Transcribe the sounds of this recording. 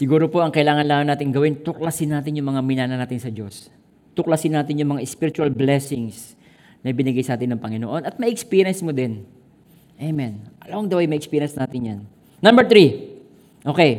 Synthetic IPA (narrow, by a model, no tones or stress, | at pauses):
sɪɡuːɾo̞po̞ʔɐŋkɐʔɪlaːŋɐnlaːmɐnaːt̪ɪŋɡɐwɪnt̪ʊklɐsɪnːaːt̪ɪnjʊŋmɐŋamɪnaːnɐnaːt̪ɪnsɐd͡ʒo̞s | t̪ʊklɐsɪnːaːt̪ɪnjʊŋmɐŋaʔɪspiɾɪt͡ʃʊɐlblɛsɪŋs | nɐɪbɪnɪɡajsɐʔaːt̪ɪnːɐŋpɐŋɪno̰ʔo̞nɐt̪̚mɐʔʔɛkspiːɪjɐnsmod̪ɪn | ʔejmɛnʔɐloŋd̪ɐwɛjmɐjʔɛkspiːɾɪjɐnsnaːt̪ɪnjanː | ɐmbɛɹt̪ɾi | ʔo̞ːkej